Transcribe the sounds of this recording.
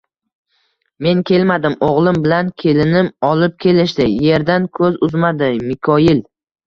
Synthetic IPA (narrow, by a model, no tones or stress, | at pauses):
me̞nkʲʰe̞lmad̪ɪmoʁlˠɪmbɪlankʲʰe̞lɪnɪmɒlɪp̚kʲe̞lɪʃd̪ɪje̞ɾd̪ankʰɵzʊzmad̪ɪmɪkʲʰɒjɪl